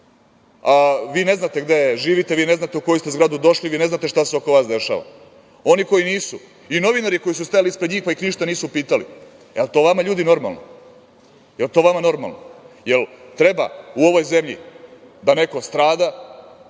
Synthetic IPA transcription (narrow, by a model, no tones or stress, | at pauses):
aʋiːne̞znat̪e̞ɡd̪eeʒiːʋit̪eʋiːne̞znat̪euko̞jist̪ezɡɾad̪ud̪o̞ʃliʋiːne̞znat̪e̞ʃt̪aseo̞ko̞ʋaːsd̪e̞ʃa̰ːʋa̰ | o̞niko̞jiniːsu | ino̞ʋinaɾiko̞jisust̪ajalispɾed̪ɲiːxpaixniʃt̪aniːsupiːt̪alḭ | elt̪o̞ːʋamaʎuːd̪ino̞ɾma̰lˠno̰ | jelt̪o̞ʋamano̞ɾma̰lno̰je̞lt̪ɾe̞ba̰uo̞ʋo̞jze̞mʎḭ | d̪ane̞ko̞st̪ɾaːd̪a